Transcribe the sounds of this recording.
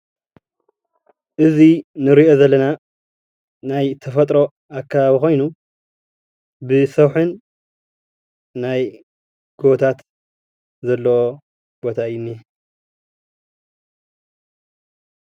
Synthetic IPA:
ʔɨzinɨɾio̞zɐlːɐna | najt̪ʰɐfɐt̪ʼɾo̞ | akʰːaβaβixo̞jnu | bɨsɐwħɨn | aj | ɡ̥ot̪ʰat̪ | zɐlːɐwo | b̥o̞t̪ʰaɨjːunːi

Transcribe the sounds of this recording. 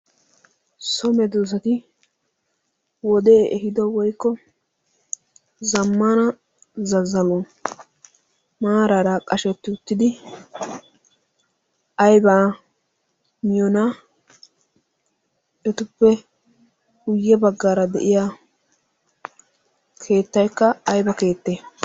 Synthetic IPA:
sɔmɛd̪uːs̬ɐt̪ɪ | wɔd̪ɛːʔɛɦɪd̪ɔwɔjkːɔ | zɐmːanɐ | zɐzɐlo | maːɾaɾakʼɐʃɛt̪ːɪʊt̪ːɪd̪ɪ | ʔɐjbaː | mɪjɔna | ɛt̪ʊpːɛ | ɡʊjːɛbɐɡːaːɾɐd̪ɛ̰ʔɪja | kʰe̞ːt̪ːɐjkːɐːjbɐke̞ːt̪ːeː

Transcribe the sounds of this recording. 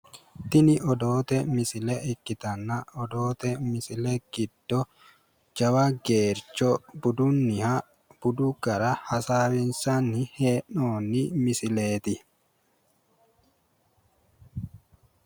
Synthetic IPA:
t̪ɪnɪʔɔd̪oːt̪ɛmɪsɪlɛʔɛkːɪt̪ɐnːɐɔd̪oːt̪ɛmɪsɪlɛɡ̥ɪd̪̥ːɔ | d͡ʒɐwɐɡeːɾt͡ʃːɔbʊd̪ʊnːɪha | b̥ʊd̪uɡ̥ɐɾɐhɐsaːwɪnsɐnːɪheːnoːnːɪmɪsɪleːt̪ɪ

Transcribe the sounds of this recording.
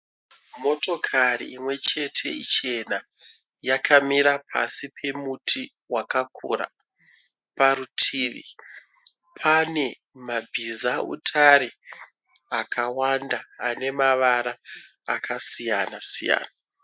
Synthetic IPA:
mo̞to̞kʰarḭːmwe̞t͡ʃe̞tʰe̞̰ḭt͡ʃe̞na | jakʰamiɾapʰa̰sipʰe̞mutʰi | wakakʰṵra̰ | paɾutʰiːʋḭ | pʰane̞ | mabʱizaṵtʰaɾe | akawandaːne̞maʋaɾaː | kʰasijanasija̰ːna

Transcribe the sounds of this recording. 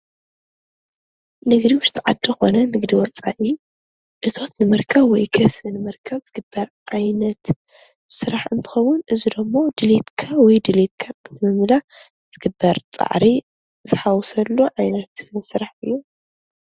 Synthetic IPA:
nɨɡd̪iwʊʃt̪ʼʰʕa̰d̪ːɐxo̞nɐnɨɡd̪iwɔt͡sʼa̰ʔi | ʔɨt̪ʰo̞t̪nɨmɨɾkʰɐβwɔjkʰɐsbɨnɨmɨɾkʰɐβz̥ɨɡɨbːɐɾʕajnɐt̪ | sɨɾaħɨnt̪ʰɨ̥xɐwʊnʔɨzid̪ɐmːo̞d̪ɨlet̪kʰawɔjd̪ɨlet̪̚kʰaɨnt̪ʰɨmɨmɨla | z̥ɨɡɨbːɐɾt͡sʼa̰ʕɾi | zɨħawɔsɐlːuʕajnɐt̪sɨɾaħɨjːu

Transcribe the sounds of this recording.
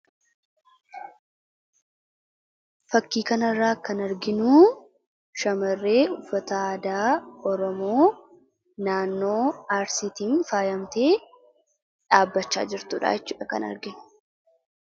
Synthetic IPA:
fɐkːiːkɐnɐrːaːkɐnɐɾɡɪnuː | ʃɐmɐrːe̞ːʊfːɐt̪ɐd̪aːɔɾɔmoː | naːnːo̞ːaːɾsit̪iːnfaːjɐmt̪e̞ː | ᶑaːbːɐt͡ʃːa̰ːd͡ʒɪɾt̪uːᶑa̰ːjɛt͡ʃːṵːᶑɐkɐ̰nɐ̰ɾɡɪnʊ̥

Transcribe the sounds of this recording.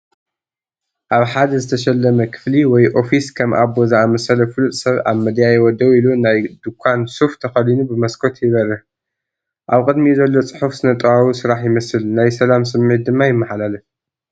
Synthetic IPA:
ʔaβħad̪ɐzɨt̪ʰɐʃɛlːɐmɐkʰɨ̥fliwɔjʔo̞fiskʰɐmʔaβbozamɐsɐlɐfɨlut̪ʼsɐβa̰βmɨd̪jajɛwɔd̪ɐwilunajd̪ukʷʰːansuft̪ʰɐxɐlinubɨmɐskʰo̞t̪ʰjɪβɐrːɨħ | ʔaβkʼɨd̪mizɐlːo̞t͡sʼɨ̥ħufsɨnɐt̪ʼwawusɨɾaħjɪmɐsɨlnajsɐlamsɨmːʕit̪̚d̪ɨmːajɪmːɐħalalɐ

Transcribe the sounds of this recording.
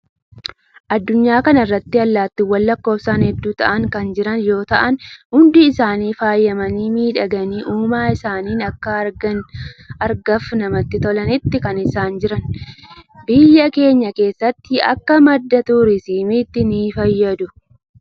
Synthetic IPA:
ʔɐd̪ːʊɲːaːkɐnɐɪrːɐt̪ːɪɐlːaːt̪ːɪwɐlːɐkːo̞ːfsaːnhɛd̪ːuːt̪ɐ̰ʔɐŋkɐnd͡ʒɪɾɐnjo̞ːt̪ɐʔɐnhʊnd̪ɪɪsaːniːfaːjːɐmɐniːmiːᶑɐɡɐniːʔuːmaːɪsaːniːnɐkːɐɐɾɡɐnɐɾɡɐfnɐmɐt̪ːɪt̪ɔlɐnɪt̪ːɪkɐnɪsaːnd͡ʒɪɾɐn | bɪjːɐke̞ːɲːɐke̞ːsːɐt̪ːɪɐ̰kːɐmɐd̪ːɐt̪uɾɪsiːmɪt̪ːɪniːfɐjːɐd̪ʊ

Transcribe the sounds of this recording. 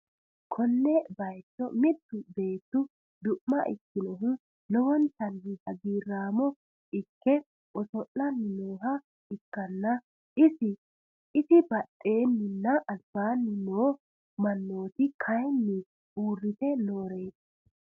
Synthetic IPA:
kʰɔnːɛbɐjt̪ːɔmɪt̪ːʊbe̞ːt̪ːʊ | d̪ʊʔmːɐʔɪ̰kːɪnɔɦʊ | lɔwɔnt̪ɐndɪhɐɡiːrːaːmɔ | ɪkːɛ | ɔsɔʔːɐnːɪnoːɦɐ | ɪkːɐnːɐ | ʔɪsɪ | ɪsɪbɐɗʼːe̞ːnːɪnːɐʔɐsb̥aːnːɪnoː | mɐnːo̞ːt̪ɪkʰɐjnːɪ | uːrːɪt̪ɛnoːɾe̞ːs

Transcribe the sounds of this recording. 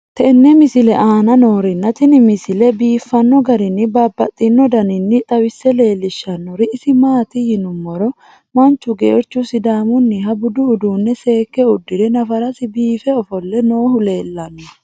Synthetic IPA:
t̪ɛnːɛmɪsɪlɛʔaːnɐno̞ːɾɪnːɐt̪ɪnɪmɪsɪlɛbiːfːɐnːɔɡɐɾɪnːɪbaːbːɐt̪ʼːɪnːɔd̪ɐnɪnːɪt̪ʼɐwɪsːɛle̞ːlːɪʃːɐnːɔɾɪːsɪmaːt̪ɪhɪnʊmːɔɾɔ | mɐnt͡ʃːʊɡḛːɾt͡ʃːʊsɪd̪aːmʊnːɪɦɐbʊd̪ʊʊd̪uːnːɛse̞ːkːɛʊd̪ːɪɾɛnɐfɐɾɐsɪbiːfɛɔfɔlːɛno̞ːɦʊle̞ːlːɐnːɔ

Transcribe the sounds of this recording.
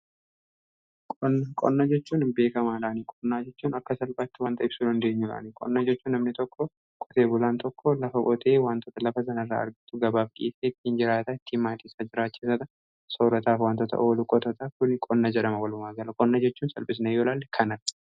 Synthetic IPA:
kʼɔnːɐkʼɔ̰nːad͡ʒɛt͡ʃːuːnɪmbe̞ːkɐmaːlaːnikʼɔnːaːd͡ʒɛt͡ʃːuːnɐkːɐsɐlbaːt̪ːɪwaːnt̪ʼɐʔɪbsuːd̪ɐnd̪e̞ːɲːʊla̰ːnikʼɔ̰nːad͡ʒɛt͡ʃːuːnːɐmnɪt̪ɔkːɔ | kʼɔ̥t̪e̞ːbʊlaːnt̪ʰɔkːɔlɐfɐkʼɔt̪ʰeːwaːnt̪ɔt̪ɐlɐfɐs̬ɐnɐɪrːa̰ːɐ̰ɾɡɪt̪ʊɡɐbaːfkʼḭːfeːɪt̪ːiːnd͡ʒɪɾaːt̪ɐɪt̪ʰːiːmaːt̪iːsad͡ʒɪɾaːkːeːsɐt̪ɐ | soːɾɐt̪aːfwaːnt̪ɔt̪ɐ̰ʔoːlʊkʼɔt̪ɐt̪ɐkʊnkʼɔnːɐd͡ʒɛᶑɐmɐwɐlʊmaːɡɐlɐkʼɔnːɐd͡ʒɛt͡ʃːuːnsɐ̰lbɪs̬nɐjoːlaːlːɛkʰɐnɐ

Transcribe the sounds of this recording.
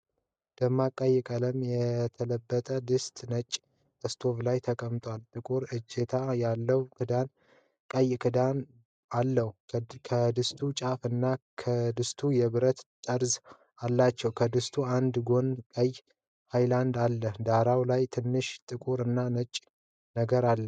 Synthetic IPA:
d̪̥əmːakʼəjɪkʼələmjɛt̪ʰələbːət̪ʼəd̪ɨst̪ʼnət͡ʃʼː | əst̪ʰo̞vlajt̪ʰəkʼəmt̪ʼwalt̪ʼɨkʼuɾɨd͡ʒe̞t̪ʰajalːəwkʰɨd̪an | kʼəjkʰɨd̪an | alːəhukʰəd̪ɨst̪ʰut͡ʃʼafɨnːakʰəd̪ɨst̪ʰujɛβɨɾət̪t̪ʼəɾz | alːat͡ʃːɛwkʰəd̪ɨst̪ʰuand̪ɡo̞nkʼəj | hajland̪alːəhd̪aɾawlajt̪ʰɨnːɨʃt̪ʼɨkʼuɾɨnːanət͡ʃʼː | nəɡəɾalːə

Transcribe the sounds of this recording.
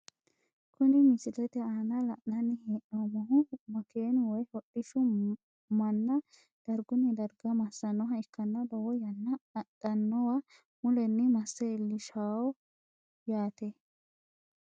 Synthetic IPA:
kʊnɪmɪsɪlɛt̪ɛaːnɐlɐʔnɐnːɪheːʔomɔɦʊmɐkeːnwɔjɔɗɪʃʊ | mɐnːɐ | d̪̥ɐɾɡʊnɛd̪ɐɾɡɐmɐsːɐnːɔɦɐɪkːɐnːɐd̪ɔwɔjɐnːɐtːɐnːɔwɐ | mʊlɛnːɛmɐsːɛɪlːɪʃaːwɔ | jaːt̪ɛ

